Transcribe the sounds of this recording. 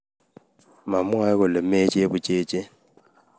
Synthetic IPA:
ma˨mwa˦kʊ˨lɪ˨me˦t͡ʃʼe˦e˦bʊ˦˨t͡ʃʼeː˦t͡ʃʼe˦

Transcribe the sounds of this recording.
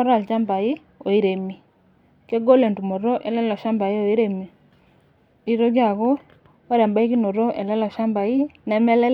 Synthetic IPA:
ɾa˨lt͡ʃa˦mba˨i˦ | o˨i˦ɾe˨mi˨ | ke˦ɡo˦lɛ˨ntu˨mo˨ɾo˦ʔɛ˨lɛ˦lɔ˨ʃa˦mba˨i˦o˨i˦ɾe˨mi˨ | i˦ɾo˦ɣja˦˨ɣo˦ | a˦ɾa˨mba˦i˦ki˦no˨ɾo˦ʔɛ˨lɛ˦lɔ˨ʃa˦mba˨i˦nɛ˨mɛ˦lɛ˦

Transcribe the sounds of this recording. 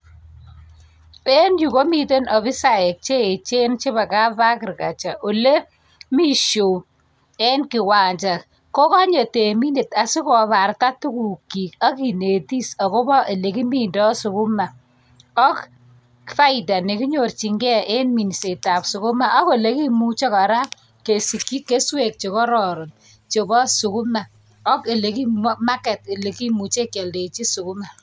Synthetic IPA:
e˦nju˨ko˦mi˨te˦nɔ˨fi˦sa˦˨e˨k̚t͡ʃe˦˨t͡ʃe˦nt͡ʃe˦βa˨ka˦pa˦kɪ˨rka˨t͡ʃa˨ʔo˨le˦ | mi˦ʃo˨ | e˦nkɪ˨wa˨ɲt͡ʃa˨k | ko˦ka˦ɲe˨te˨mi˦ne˨ta˨si˦kɔ˨βa˨rta˦tu˦ku˨kːi˨ka˦ki˨ne˨ti˦sa˨ko˦bɔ˦ʔe˨le˨ki˦mi˦ndɔ˦sʊ˨kʊ˦ma˨ | ɔ˦k | fa˦ɪ˨ta˨ne˨ki˦ɲo˨rt͡ʃi˨ŋɡɛ˦ʔe˦nmi˨n˨se˨ta˨psʊ˨kʊ˦ma˦ʔa˦ko˦le˦ki˦mu˦t͡ʃe˦ka˨ɾa˦ | ke˨si˨kːi˦kːe˦swe˨k̚t͡ʃo˨kɔ˦ɾɔ˨ɾɔ˨n | t͡ʃo˨bɔ˦su˨ku˦ma˨ | ɔ˦ke˨le˨ki˦ma˦kɛ˨t̚e˨le˨ki˦mu˨t͡ʃe˦kːe˨lde˨t͡ʃi˦su˨ku˦ma˨

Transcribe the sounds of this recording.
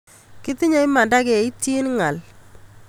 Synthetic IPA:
kɪ˦t̪ɪ˦ɲa˦i˦ma˨nda˦kɛ˨i˦ti˦nŋa˨l

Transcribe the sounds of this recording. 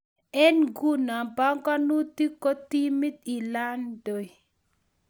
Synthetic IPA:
ɛ˦nɡu˦na˨ba˦ŋka˦nu˦t̪i˦ko˦t̪i˦mi˦t̪i˨la˦ndo˨j

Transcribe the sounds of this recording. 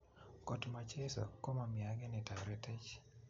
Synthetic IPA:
ko˨tma˨t͡ʃɛ˦sɔ̰˨ko˦ma˨mja˨ŋɛ˦nɪ˨ta˨ɾɛ˦tɛ˦t͡ʃ

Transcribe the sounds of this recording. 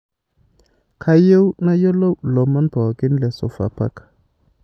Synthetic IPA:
kʰa˦je˦wna˦jo˦lo˦wlo˨ma˦nbo˨ɡi˦nle˨so̰˨fa̰˨pa̰˦k

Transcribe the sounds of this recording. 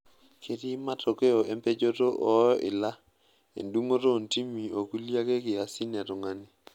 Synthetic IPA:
kʰe˦ɾi˦ma˦tʰo˨ke˦ɔ˨ʔe˦mpe˦d͡ʒo˦to˦ʔɔ˨˦ɔ˦ʔɪ˨la˦ | ḛ˨ndu˦ŋo˦ɾo˦˨nti˦mi˨o˨ku˦lja˦ke˦kɪ˨a˨sɪ˦nɛ˨ɾʊ˨ŋa˦nɪ˦

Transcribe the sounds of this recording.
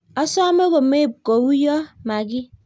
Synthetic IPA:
ɔ˦sɔ˦me˦ɣo˨me˦˨b̚ko˨wu˦jɔ˦ma˨ɡi˦

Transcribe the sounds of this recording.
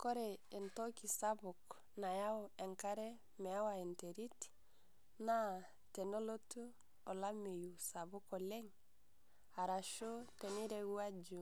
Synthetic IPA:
kɔ˦ɾɛ˨e˨ntɔ˦ki˨sa˦bʊ˨k | na˨ja˦o˨ɛ˨ŋka˦ɾɛ˦ | mɛ˨a˦wa˨e˨ntɛ˨ɾi˦t | na˦ | tɛ˨no˦lo˦tu˦ | ɔ˨la˦me˨ju˨sa˨βʊ˦kɔ˨lɛ˦ŋ | a˨ɾa˨ʃo˦tɛ˨ni˦ɾɛ˦u˦a˦d͡ʒu˨

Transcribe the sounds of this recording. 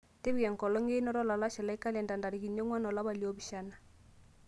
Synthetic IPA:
te˦bi˦ka˨ŋ˨kɔ˨lɔ˦ŋɡe˦nɔ˦ɾɔ˦la˨la˦ʃɛ˨la˦i˦ka˦lɛ˨nda˨nda˨ɾi˨ki˨nɔ˦ŋwa˦nɔ˨la˦ba˨li˦ɔ˦bi˨ʃa˦na˨

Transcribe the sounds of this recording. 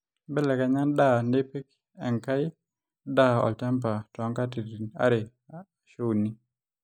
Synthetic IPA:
bɛ˦lɛ˨ka˨ɲa˦nda˦˨ne˦pi˦k | ɛ˨ŋka˦jɪ˦ | da˦˨ɔ̰˨ltɛ˦mp̬a˨tɔ˨˦ŋka˦ti˨i˨na̰˦ɾɪ˨ | ʃo˦wni˦

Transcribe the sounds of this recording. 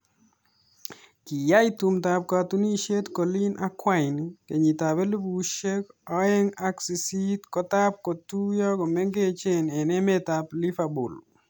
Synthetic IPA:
ki˨ja˦i˦tu˨mt̪a˨p̚ka˨t̪u˦ni˦˨ʃe˦tko˨li˦nʔa˦kwa˦ɪ˨nke˨ɲi˨t̪a˨be˦li˦bu˨ʃe˦kɔ˦ɛ˦ŋa˦ksi˨si˦tkɔ˦t̪a˦p̚kɔ˨tu˦jɔ˦kɔ˨me˦ŋɡe˦t͡ʃe˦nɛ˨nɛ˦me˦t̪a˨pli˦fa˨bṵ˨l

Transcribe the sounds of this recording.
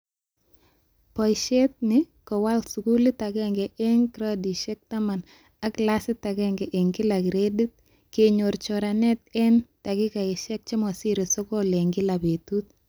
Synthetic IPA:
pɔ˨jʃɛ˦t̪̚nɪ | kɔ˨wa˦lsu˨kuli˦takɛŋɡɛʔɛ˦ŋkɾadiʃɛk̚tama˨n | a˦kla˦sɪ˦takɛŋɡɛʔe˨ŋkɪ˦la˨kiɾedi˦t̪̚ | keɲo˨ɾt͡ʃɔɾanɛt̪ɛnta˨kɪ˦ka˨ɪ˨ʃɛ˦k̚t͡ʃi˦mɔ˨si˦ɾisɔ˦kɔ˦le˨ŋɡɪ˦la˨betut̪̚

